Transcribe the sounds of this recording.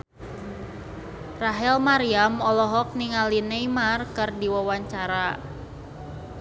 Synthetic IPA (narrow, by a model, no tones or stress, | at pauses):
raɦɛlmaɾiamɔlɔɦɔk̚niŋalinejmarkɨrdiwawaɲt͡ʃaɾa